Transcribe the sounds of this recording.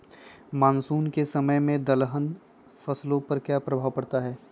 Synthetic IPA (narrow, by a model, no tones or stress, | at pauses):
maːnsuːnkesɐməjmẽd̪ɐlɦən | fɐslõpɐɾkjaːpɾɐbʱaːwpɐɽt̪aɦɛː